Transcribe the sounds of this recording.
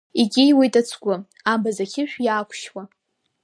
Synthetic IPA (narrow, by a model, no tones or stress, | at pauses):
iɡʲɪjwijtʼat͡sʷʰɡʷʊ | ambazakʲʰɪʃᶣjaːkʷʰʃwa